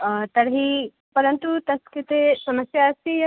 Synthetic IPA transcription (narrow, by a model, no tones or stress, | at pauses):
t̪ɐɾɦi | pɐɾənt̪ut̪ɐskit̪esɐməsjaːst̪ijɐ